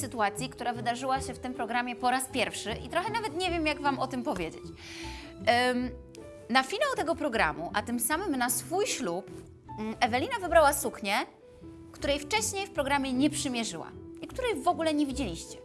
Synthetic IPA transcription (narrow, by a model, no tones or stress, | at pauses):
sɘt̪uat̪sʲjikt̪uɾavɘd̪aʐɘwaɕɛft̪ɘmpɾɔɡɾamʲjɛpɔɾaspʲjɛɾfʂɘʔit̪ɾɔxɛnavɛt̪ɲevʲjɛmjaɡvamɔt̪ɘmpɔvʲjed͡ʑḛt͡ɕ | nafʲinawt̪ɛɡɔpɾɔɡɾa̰muʔat̪ɘmsamɘmnasfujɕlup | ɛvɛlʲinavɘbɾawasukɲɛ | kt̪uɾɛjft͡ʂɛɕɲejfpɾɔɡɾamʲjɛɲɛpʂɘmʲjɛʐɘ̰wa̰ikt̪uɾɛjvɔɡulɛɲɛvʲid͡ʑelʲiɕt͡ɕɛ̥